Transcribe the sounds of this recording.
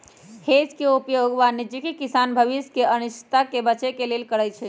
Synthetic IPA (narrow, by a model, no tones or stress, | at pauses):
hed͡ʒkeupjoɡʋanɪd͡ʒikikisanbʱəʋiskeənɪʃt̪akebət͡ʃekelelkəɽəjt͡ʃʰɛ